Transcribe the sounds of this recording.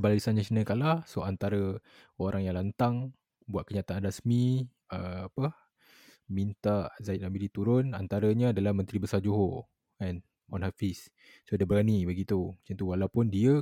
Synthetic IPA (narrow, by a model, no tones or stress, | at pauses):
ballisanɲat͡ʃinəkalasoant̪aɾə | oɾʔaŋjaŋlant̪aŋ | buat̪̚kəɲat̪anrasmi | əapə | mint̪aʔzaiʔnamilit̪uɾʊnant̪aɾəɲaːdalahmə̃nt̪ɾibəsad͡ʒoɦo | an | ɔnɦafis | sodabəɾanibəɡit̪umt͡ʃant̪uwalawpʊndiə